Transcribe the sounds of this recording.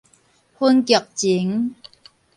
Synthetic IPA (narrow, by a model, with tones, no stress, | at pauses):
hu˥nki˨˩˨k̚t͡ɕi˨˦ŋ